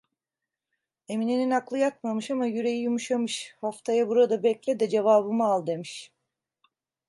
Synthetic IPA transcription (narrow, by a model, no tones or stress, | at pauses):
e̞mineninaklˠɯjak̚mamɯʃamajyɾe̞jijumuʃamɯʃhaft̪ʰajabuɾad̪abɛclʲɛd̪ɛd͡ʒe̞vaːbɯmaalˠd̪e̞miʃ